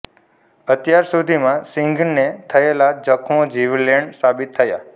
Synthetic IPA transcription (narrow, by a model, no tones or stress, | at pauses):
ət̪jaɾsud̪ʱimãsiŋɡnnet̪ʰəelad͡ʒəkʰmõd͡ʒiʋlːɛɳɖsabit̪ʰːəja̰